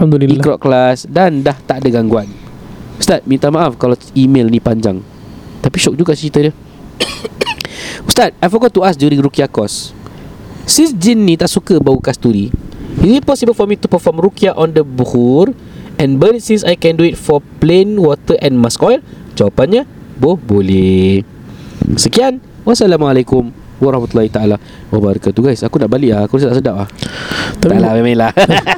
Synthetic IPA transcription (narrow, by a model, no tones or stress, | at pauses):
hamd̪ulimikɾɔʔklasdandaht̪aʔdaɡaŋɡuan | ust̪at̪̚mĩnt̪amãʔafkala | imelnipaɲd͡ʒa̰ŋ | t̪apiʃok̚d͡ʒuɡaʔsɾit̪ədə | ust̪at̪̚ajfɔɡɔt̪̚t̪ːuasdjuɾĩŋɾukiakɔs | isd͡ʒinːĩt̪aʔsukəbaukast̪uɾiizipɔsibəlfɔmit̪upəfɔmɾukiaʔɔ̃ndəbuhur | ʔɛ̃nbəɾitsĩŋsajkɛ̃nduitfɔplẽnwɔt̪əʔɛ̃nmaskɔjl | d͡ʒawapanɲa | bohbolɛh | səkian | wasalamalakʊm | waɾahmat̪ulahit̪aala | wabaɾakat̪uɡajsakunaʔbaliʔakusit̪aʔsədap̚aht̪alabamajlah